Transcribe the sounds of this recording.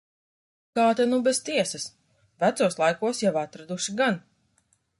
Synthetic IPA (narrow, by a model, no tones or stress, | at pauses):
kaːt̪anubɛz̥t̪iɛsɐs | væt̪suɔslˠajkuɔsjavat̪ɾad̪uʃiɡan